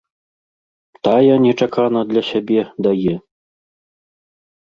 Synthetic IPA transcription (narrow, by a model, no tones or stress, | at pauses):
t̪ajanʲɛt͡ʂakanɐd̪lʲɐɕʲabʲɛd̪ajɛ